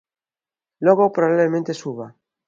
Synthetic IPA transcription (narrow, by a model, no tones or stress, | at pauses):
loɣopɾoβaβlemẽnt̪esuβa